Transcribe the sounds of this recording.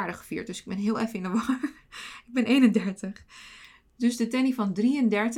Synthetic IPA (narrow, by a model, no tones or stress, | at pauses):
ɹdəχə̥fḭːɹt̚døsɪɡ̚bɛnɦɪəlˠɛfəɪnəʋɔ | ɪɡ̚bɪnʔejnəndɛɹtəχ | døsdətɛnifɔndriəndɛɹt